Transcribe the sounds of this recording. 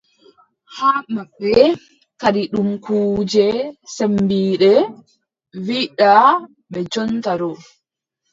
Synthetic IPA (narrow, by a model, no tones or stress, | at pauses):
haːmaɓːɛ | kaɾiɗumkuːd͡ʒɛsembiːɗɛ | wiɗa | ɓɛd͡ʒɔntaɾɔ